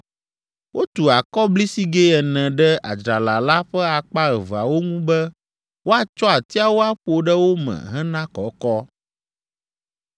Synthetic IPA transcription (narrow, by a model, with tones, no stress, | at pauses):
wʔo˦t̪u˨a˨kɔ˦bli˦si˦ɡe˦ɛ˨nɛ̃˨ɖɛ˦a̰˨d͡ʒɾa˨la˨la˦ɸɛ˦a˨k͡pa˦ɣɛ˨va˨wo˦ŋũ˦bɛ˦ | wo˦a˨t͡ʃɔ˦a˨t̪i˦a˦wo˦a˦ɸo˨ɖɛ˦wo˦mɛ̰̃˨ɦɛ̃˦nã˦kɔ˨kɔ˦